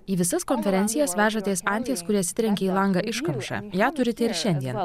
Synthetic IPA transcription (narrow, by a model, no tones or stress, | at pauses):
iːʋʲɪsɐskonʲfʲɛɾʲɛnʲt̪ʲɪjɛsʋʲæːʒɐt̪ʲeːsɐˑnʲt̪ʲeːskʊɾʲiɛɐt̪sʲɪt̪ɾʲɛŋʲkʲɛiːlˠɐŋɡɐʔɪʃkɐmʃɑ̰jæːt̪ʊɾʲɪt̪ʲɛɪɾʃʲɛnʲd̪ʲiɛn